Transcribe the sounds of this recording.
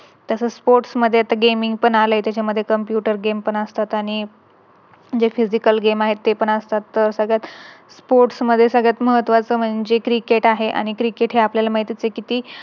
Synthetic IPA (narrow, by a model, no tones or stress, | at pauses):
t̪asəspoɾʈsməd̪ʱːeat̪aɡemiŋɡ̚pəɳaləjt̪jat͡ɕʰaməd̪ʱːjekəmpjuʈəɾɡempəɳəst̪at̪aɽ̃i | d͡ʑefid͡ʑikəlɡemaɦet̪ːepəɳəst̪at̪ːəɾsəɡɭjat̪ | spoɾʈsməd̪ʱːjesəɡɭat̪məɦət̪ʋat͡səːm̤əɳd͡zekɾikeʈaɦeʔa̰ɽ̃ikɾikeʈɦeapljalamaɦit̪it͡sekit̪iː